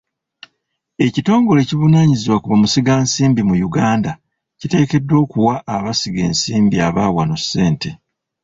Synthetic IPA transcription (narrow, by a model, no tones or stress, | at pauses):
e̞cito̞ːŋɡo̞le̞ciβunaːɲiziwakuβamusiɡaːnsiːmbimujuɡaːnda | cite̞ːke̞dːo̞ːkuwaʔːβasiɡe̞̰ːnsiːmbiaβaːwano̞se̞ːnte